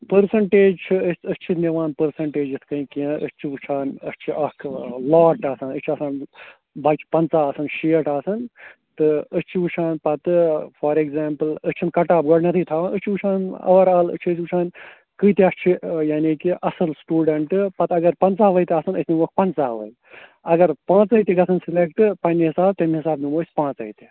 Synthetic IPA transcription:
pəɾsɐɳʈeːd͡ʒt͡ʃʰuət̪ət͡ʃʰineʋaːnpəɾsɐɳʈeːd͡ʒɨt̪ʰkɐĩkĩə̰t͡ʃʰiut͡ʃʰaːnɐt͡ʃʰiʔɐkʰlaːʈaːsaːnɨt͡ʃʰɐsaːn | bɐt͡ʃʰpɐnt͡saːɐːsɨnʃiːʈaːsɐnt̪ɨət͡ʃʰiʋut͡ʃʰaːnpɐt̪fɐːɾekzaːmpɨlɨt͡ʃʰinkɐʈaːb̚ɡɐɽnɐt̪ʰit̪ʰaːʋãːnɨt͡ʃʰiut͡ʃʰaːnɐ̰ʋɐɾaːlɨ̰t͡ʃʰət͡ʃːut͡ʃʰaːn | kɨːt̪iɐst͡ʃʰijaːniːkiʔɐsɨlsʈuːɖɐɳʈɨpɐt̪ɐɡɐɾpɐnt͡saːɦʋɐjt̪ɐːsɨnəsniʋɐk̚pɐnt͡saːɦʋɐ̰j | ɐɡɐɾpãːt͡sɐjt̪iɡɐsʰɨnsilekʈɨpɐniɦɪsaːb̚t̪ɐmiɦɪsaːbnimoːsʲpãːt͡sɐ̰it̪i

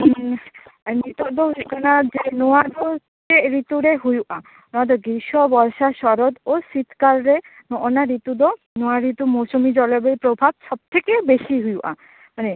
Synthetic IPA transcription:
nit̪od̪oɦkanad͡ʑenoad̪o | teɾit̪uɾeɦujuʔã | noad̪oɡiʃobɔɾʃaʃɔɾod̪osit̪kaɾɾe | noʔonaɾit̪ud̪o | noaɾit̪umosomid͡ʑɔlobeɾpɾobʱab̚ʃɔb̚t̪ʰekebeʃiɦujuʔa̰ | mane

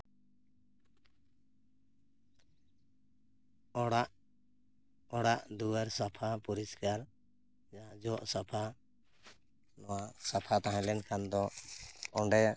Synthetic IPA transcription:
ɽaʔ | ɔɽaʔd̪uwaɾsapʰapuɾiskaɾ | d͡ʒaɦãd͡ʒɔʔsapʰa | nɔwaʔsapʰat̪aɦãlɛnkʰand̪ɔ | ɔɳɖɛja

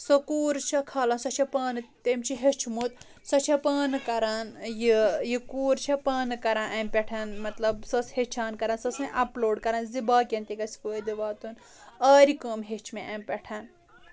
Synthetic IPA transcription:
sokuːɾt͡ʃʰɐkʰɐːlɐːnsɐt͡ʃʰɐpɐːnɨt̪emt͡ʃʰiɦet͡ʃʰmut̪ | sɐt͡ʃʰɐpɐːnɨkɐɾaːnjijikuːɾt͡ʃʰɐpɐːnɨkɐɾãnʔɐmpʲeʈʰɐnmɐt̪lɐbsɐshet͡ʃʰaːnkɐɾansɐsẽʔɐploːɖkɐɾaːnzibaːkʲẽnt̪iɡɐskoːd̪iʋaːt̪un | ɐːɾikəːmɦet͡ʃʰmeʔɐmpʲeʈʰɐn

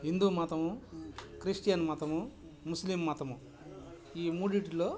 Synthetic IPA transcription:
ɦind̪uːmaːt̪ɐmukɾiʂʈijanmaːt̪ɐmu | muslimːaːt̪ɐmu | iːmuːɖiʈiloː

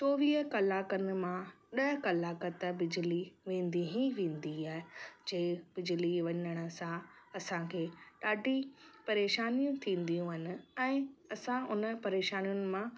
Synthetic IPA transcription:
t͡ɕoːʋiːɦəkɐlaːkənɪ̆mã | ɗɐɦkɐlaːkət̪ə̆bɪd͡ʑɪliʋẽːn̆d̪iɦĩʋẽːn̆d̪iaːɦɪd͡ʑeːbɪd͡ʑɪliʋɐɲəɽ̃ə̆sãɐsãkʰeːɗaːɖʱipɐɾeːʃaːnijũt̪ʰĩːn̆d̪ijũɦɪnɪ̆ɛ̃ːɐsãʊnəpɐɾeːʃaːnijʊnɪ̆mã

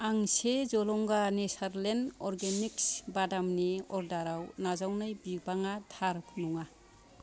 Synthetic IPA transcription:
aŋsezɔlɔŋɡanesaɾlenɔɾɡeniksbadamniɔɾdaɾawnazawnɯjbibaŋatʰaɾpʰnuŋa

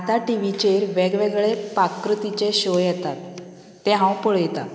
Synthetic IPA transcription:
at̪aʈiʋit͡ɕeɾʋɛɡʋeɡɭepakːɾut̪it͡ɕeɕojɛt̪at̪ː | ɛɦãwpəɭjɛt̪a

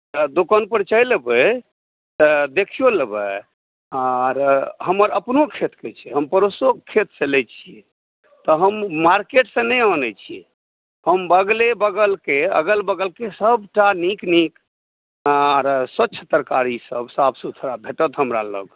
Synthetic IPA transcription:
t̪əd̪okənpəɾt͡ʃəjlbə | t̪əd̪ekʰijoləbə | aɾɦəməɾəpnokʰet̪ket͡ʃʰɛɦəmpəɾosokʰet̪səlɛt͡ʃʰie | t̪ɔɦəmmaɾkeʈsə̃nɛjɔnɛt͡ʃʰiɛ | həmbəɡlebəɡəlkeə̰ɡəlbəɡəlkesəbʈaniknik | aɾswətːt͡ʃʰət̪əɾkaɾisəbsabsut̪ʰɾabʱeʈət̪ɦəmɾa̰lə̰ɡ

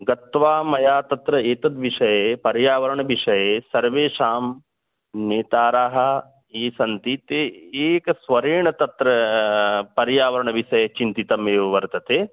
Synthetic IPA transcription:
ɡɐt̪ʋaːmɐjaːt̪ɐt̪ɾɐeːt̪ɐt̪ʋiʃɐjepɐɾjaːʋɐɾəɳ̃ʋiʃɐjesɐɾʋeːʃaːm | neːt̪aːɾaːɦɐ | eːsɐnt̪it̪eːksʋɐɾiːɳɐt̪ɐt̪ɾɐ | pɐɾjaːʋɐɾəɳʋiʃɐjet͡ʃint̪it̪ɐmeːʋɐʋɐɾt̪ɐt̪eː

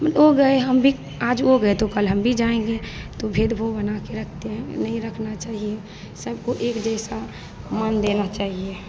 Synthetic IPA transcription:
oɡəeɦəmbʱi | ad͡ʒoɡəet̪okəlɦəmbʱid͡ʒaẽɡet̪obʱed̪bʱobənakeɾəkʰt̪eɦɛ̃nəĩɾəkʰnat͡ʃaːɦie | səbkoʔekd͡ʒɛɪsa | mənd̪enat͡ʃaːɦie

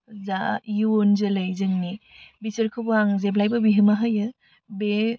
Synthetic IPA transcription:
zajuonzɐlɯjzɯŋni | bisɐɾkʰɯbaŋzeblajbɐbiɦɯmaɦajɯ | be

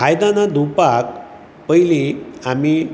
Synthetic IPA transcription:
ajd̪ãnad̪upak | pəjliami

